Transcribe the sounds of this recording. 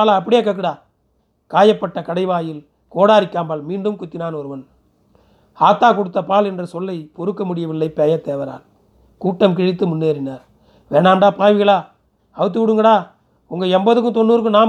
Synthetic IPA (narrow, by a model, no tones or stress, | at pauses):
aːlɐɐpːɐɽɪjeːkːɐk̬ːɪɽaː | kaːjɐpːɐʈːɐkɐɽɐɪʋaːjɪl | koːɽaːɾɪkːaːmbɐɭmiːɳɖɯmkʊt̪ːɪnaːnɔɾɯʋɐn | aːt̪ːaːkɔɽɯt̪ːɐpaːlɛndrɐsɔlːɐɪpɔɾɯkːɐmʊɽɪjɐʋɪlːɐɪpɛjɐt̪eːʋɐɾa̰ːl | kuːʈːɐmkɪɻɪt̪ːɯmʊnːeːɾɪnaːɾ | ʋeːɳaːmɖaːpaːʋɪɣɐɭaː | ɐʋɯt̪ːɯʋɪɽɯŋɡɐɽaː | ʊŋɡɐɛmbɐðɯk̬ːɯt̪ɔnːuːɾɯk̬ːɯnaː